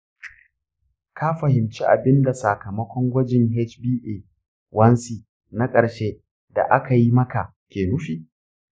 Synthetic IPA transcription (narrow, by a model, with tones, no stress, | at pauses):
kʰa˦ɸɐ˨hɪ˨mt͡ʃi˦ʔa̰˨bɪ˦nda˨sa˨kɐ˨mɐ˦kʷɔ˦ŋɡʷɐ˦d͡ʒɪ˨ŋɦɛ˦t͡ʃbiː˦ʔeː˨ | wʔɐ˦nsiː˨ | na˦kʼɐ˨ɽʃeː˦ | da̰˨ʔa˦ka˨ji˦mɐ˦ka˨ | kʲeː˨nʊ˦ɸiː˨